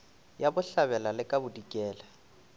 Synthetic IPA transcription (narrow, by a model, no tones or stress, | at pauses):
jabʊɬaβɛlalɪkʼabʊdikʼɛːla